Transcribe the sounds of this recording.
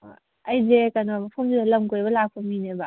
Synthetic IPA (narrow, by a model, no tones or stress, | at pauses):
ajzekanɔmɐpʰɐmsidɐlɐmkojbɐlak̚pʰɐmineba